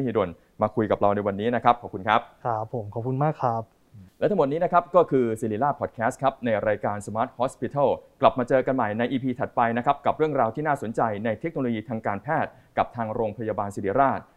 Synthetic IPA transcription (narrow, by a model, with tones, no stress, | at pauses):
hiː˧do˧n | maː˧kʰu˧jka˨˩p̚ɾa˧wna˧jwa˧nːiː˦˥na˦˥kʰa˦˥p̚kʰɔ˨˩kʰu˧nkʰɾa˦˥p̚kʰa˦˥pʰːo˩˦mkʰɔː˨˩p̚kʰu˧nmaː˥˩kʰa˦˥p̚ | lɛ˦˥t̪ʰa˥mo˨˩t̪̚iː˦˥na˦˥kʰa˦˥p̚kɔː˥˩kʰɯː˧siː˧liː˧˩laː˥˩pʰɔː˨˩t̪̚kʰɛː˦˥st̪̚kʰa˦˥p̚na˧jɾaː˧jkaː˧nsa˧maː˦˥t̪̚hɔː˦˥spi˧t̪ʰa˥˩kla˨˩p̚maː˧t͡ɕɤː˧ka˧nma˨˩jna˧jʔiː˧pʰiː˧t̪ʰa˨˩t̪̚pa˧jna˦˥kʰa˦˥p̚ka˨˩p̚ɾɯ˥˩əŋɾaː˧wt̪ʰiː˥naː˥˩so˩˦nt͡ɕa˧jna˧jt̪ʰe˦˥k̚no˧loː˧jiː˧t̪ʰaː˧ŋkaː˧npʰɛː˥˩t̪̚ | ka˨˩p̚t̪ʰaː˧ŋɾoː˧ŋpʰa˧jaː˧baː˧nsiː˧liː˧˩ɾaː˥˩t̪̚